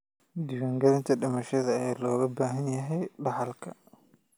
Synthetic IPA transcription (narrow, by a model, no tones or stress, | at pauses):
d̪ɪwɐŋɡɐlɪnt̪ʰɐɗɪmɐʃɛðɐɛːlɔːɣɐbaːɦɐnjɐɦɛjbɐħɐlkʰɐ